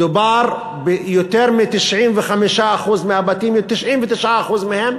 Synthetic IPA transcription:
d̪ubaɾ | bejot̪eɾmit̪iʃʕimvexamiʃaʔaxuzmihabat̪imt̪iʃʕimvet̪iʃʕaaxuzmihem

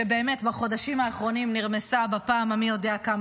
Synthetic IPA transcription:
ebe̞ːme̞tbaχo̞daʃimaːχʁo̞nimniʁmesabapaːmamijo̞de̞akam

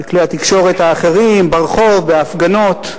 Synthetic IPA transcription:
kliat̪ikʃo̞ʁet̪haːχeʁimbaʁχo̞vbeafɡano̞t̪

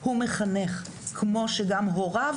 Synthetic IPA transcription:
humeχaneχ | kmo̞ʃeɡamɦoʁav

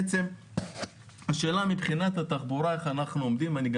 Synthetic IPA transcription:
t͡se̞m | haʃe̞ːlamipχinat̪at̪aχbuɾae̞χanaχnuo̞md̪imaniɡ

